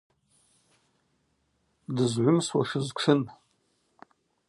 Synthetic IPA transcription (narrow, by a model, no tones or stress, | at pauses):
dɨzʕʷʊmswa̰ʂɨzʈ͡ʂʰɨn